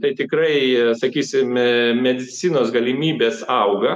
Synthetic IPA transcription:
t̪ɐɪt̪ʲɪkɾɐɪsɐkʲiːsʲɪmmʲɛd̪ʲɪt͡ssʲinoːsɡɐlʲɪmʲiːbʲeːsɐʊɡɐ

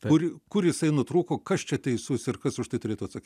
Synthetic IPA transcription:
kʊrkʊrjɪsɐɪnʊt̪ɾuːkoːkɐst͡ʃʲɛt̪ʲɛɪsuːsɪrkɐsʊʃt̪ɐɪt̪ʊɾʲeːt̪ʊːɐt̪sɐkʲi

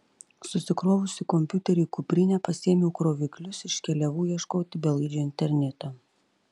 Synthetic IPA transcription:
sʊsʲɪkɾoːʋʊsʲɪkɔmʲpʲjʊt̪ʲɛɾʲɛkʊpʲɾʲɪnʲɛːpɐsʲiːmʲɛʊkɾoːʋʲɪklʲʊsɪʃʲkʲɛlʲɛʋuːjiɛʃkoːt̪ʲɪbʲɛlˠɐɪd͡ʒʲoːɪnʲt̪ʲɛɾʲnʲɛt̪ɐː

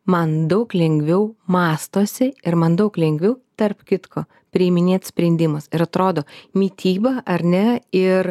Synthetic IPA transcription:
mɐnd̪ɐʊklʲɛŋʲɡʲʋʲɛʊmɑːst̪oːsʲɛɪɾmɐnd̪ɐʊklʲɛŋʲɡʲʋʲɛʊt̪ɐrpkʲɪt̪kʰoː | pʲɾʲɪmʲɪnʲeːt̪sʲpʲɾʲɛnʲd̪ʲɪmɐsɪɾɐt̪ɾoːd̪oːmʲiːt̪ʲiːbɐʔɐɾʲnʲɛɪɾ

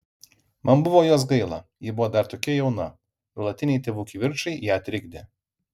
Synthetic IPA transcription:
mɐnbʊʋoːjoːs̬ɡɐɪlˠɐ̰jɪbʊʋoːd̪ɐɾt̪oːkʲɛjɛʊnɐ | lˠɐt̪ʲɪnʲɛɪt̪ʲeːʋuːkʲiːʋʲɪɾt͡ʃɐɪjæːɐt̪ʲɾʲɪɡd̪ʲe

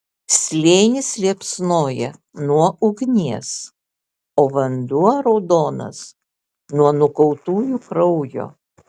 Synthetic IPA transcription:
sʲlʲeːnʲɪslʲiɛpʲsnoːjɛ | nuɔʊɡnʲiɛs | oːʋɐnd̪uɐɾɔʊd̪oːnɐ̰s | nuɔnʊkɐʊt̪uːjukɾɔʊjo̰ː

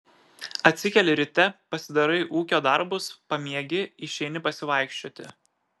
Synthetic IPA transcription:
ɐt̪ʲsʲɪkʲɛlʲɪɾʲɪt̪ʲɛpɐsʲɪd̪ɐɾɐɪʔuːkʲoːd̪ɐɾbʊspɐmʲiɛɡʲɪɪʃʲɛɪnʲɪpɐsʲɪʋɐɪkʃʲt͡ʃʲoːt̪ʲɪ̰

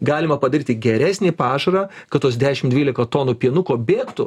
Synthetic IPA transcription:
ɡɑːlʲɪmɐpɐd̪ɐɾiːt̪ʲɪɡʲɛɾʲæːsʲnʲeːpɑːʒɐɾɑː | kɐt̪t̪ːoːsd̪ʲæːʃʲɪmd̪ʲʋʲiːlʲɪkɐt̪oːnuːpʲiɛnʊkoːbʲeːkt̪ʊ

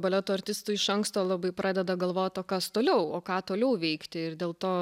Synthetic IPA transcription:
bɐlʲɛt̪uːɐɾʲt̪ʲɪst̪uːɪʃɐŋkst̪oːlˠɑbɐɪpɾʔɑːd̪ʲɛd̪ɐɡɐlˠʋoːt̪oːkɐst̪oːlʲɛʊoːkɑːt̪oːlʲɛʊʋʲɛɪkt̪ʲɪɪrd̪ʲeːlˠt̪oː

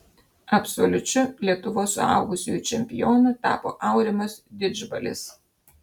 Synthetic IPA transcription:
ɐpsolʲʊt͡ʃʲʊlʲiɛk̚t̪ʊʋoːsːʊɑ̰ˑʊɡʊsʲɪjt͡ʃʲɛmʲpʲɪjoːnʊt̪ɑ̰ːpo̰ːʔɑʊɾʲɪmɐsd̪ʲɪd͡ʒbɐlʲɪ̰s

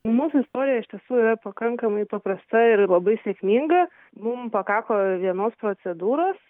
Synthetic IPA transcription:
muːsʊɪst̪oːɾʲɪjɛɪʃt̪ʲiɛsuːɪɾɐpɐkɐŋkɐmɐɪpɐpɾɐst̪ɐɪɾlˠɐbɐɪsʲeːkmʲiŋɡɐ | mʊmpɐkɑːkoːʋʲiɛnoːspɾoːsʲɛd̪uːɾoːs

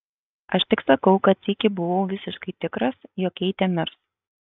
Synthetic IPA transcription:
ɐʃt̪ʲɪksɐkɐʊkɐt̪sʲikʲɪbʊʋɐʊʋʲɪsʲɪʃkɐɪt̪ʲɪkɾɐsjoːkʲɛɪt̪ʲɛmʲɪɾs

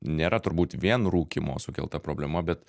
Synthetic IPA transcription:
nʲeːɾɐt̪ʊɾbuːt̪ʋʲiɛnɾuːkʲimo̰ːsʊkʲɛlˠt̪ɐpɾoːblʲɛmɐbʲɛt̪

